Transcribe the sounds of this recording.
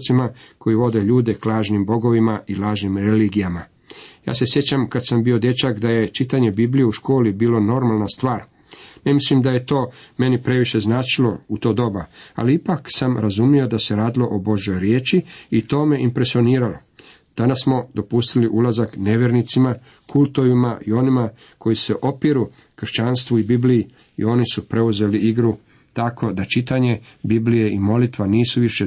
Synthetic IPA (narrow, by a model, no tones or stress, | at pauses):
t̪simakʰo̞jiʋo̞d̪e̞ʎuːd̪e̞klˠaːʒnimbo̞ɡo̞ʋimaʔilaːʒnimɾeliɡijama | ja̰ːse̞sje̞t͡ɕamkad̪sambio̞d̪jet͡ʃakd̪aje̞t͡ʃit̪aɲe̞biblijeuʃko̞ːlibiːlo̞no̞ɾmalˠnast̪ʋaːɾ | nemislimd̪aje̞t̪o̞ːme̞nipɾe̞ʋiʃe̞znaːt͡ʃilo̞ut̪oːd̪o̞baa̰liipaksamɾazumio̞d̪ase̞ɾaːd̪ilo̞ʔobo̞ʒo̞jɾjeːt͡ʃiːt̪o̞ːme̞ʔimpɾe̞sio̞niːɾalo | d̪̥anassmo̞d̪o̞pust̪iliʔulazakne̞ʋjeɾnit̪sima | kulˠt̪o̞ʋimaʔio̞nima | ko̞jise̞ʔo̞piɾu | kr̩ʃt͡ʃanst̪ʋuibibliji | ḭo̞nisupɾe̞uze̞liiɡɾu | t̪ako̞d̪at͡ʃit̪aɲe̞biblije̞imo̞lit̪ʋaniːsuʋiʃe̞